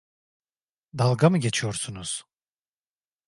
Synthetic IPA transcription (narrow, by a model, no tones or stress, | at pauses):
d̪alˠɡamɯɟe̞t͡ʃʰijoɾsunuz̥